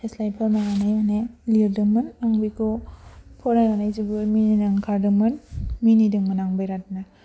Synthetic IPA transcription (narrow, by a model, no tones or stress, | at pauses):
heslajpʰamaɦanemaneliɾdɯŋmɯnaŋbikupʰɔɾaŋanaizibɯmininaŋkʰaɾdɯŋmɯnminidɯŋmanaŋbajɾat̚na